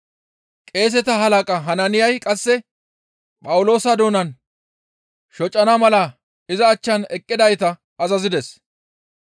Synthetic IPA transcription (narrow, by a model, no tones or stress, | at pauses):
kʼe̞ːs̬ɛt̪ɐɦɐlɐkʼɐɦɐnɐnɪjɐjkʼɐsːɛ | pʼɐwʊlo̞ːsɐd̪o̞ːnɐn | ʃɔt͡ʃʼːɐnɐmɐlɐ | ɪzɐːt͡ʃːɐnɛkʼːɪd̪ɐjt̪ɐ | ɐzɐzɪd̪ɛs